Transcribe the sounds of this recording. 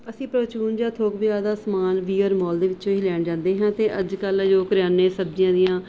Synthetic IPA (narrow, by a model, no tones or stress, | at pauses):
əsĩːpɾəːt͡ʃuːnd͡ʒaːt̪ʰoːkbɪjaːd̪aːsmaːnʋiːɔːɾmɔːld̪eːʋɪt͡ʃt͡ʃõːɦiːlɛːɳd͡ʒãːnd̪eːɦãːt̪eːʔəd͡ʒkəld͡ʒoːkəɾjaːneːsəbd͡ʒɪjãːd̪ijãː